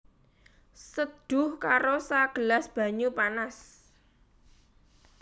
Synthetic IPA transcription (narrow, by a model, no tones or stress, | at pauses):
səd̪̥ʊ̤hkaɾosaɡ̥ə̤lasb̥ä̤ɲupanas